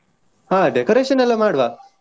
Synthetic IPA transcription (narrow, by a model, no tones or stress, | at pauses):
hãɖekoɾeɕənalamaɽʋa